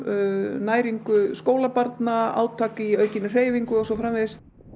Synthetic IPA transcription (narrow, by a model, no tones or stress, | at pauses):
naːjɾiŋkʏskoːwlapaɾt̪naa̰ːwt̪ʰaːkɪœːɥcɪnːʏr̥eːjviŋkʏɔɣsɔfɾamvɪðɪs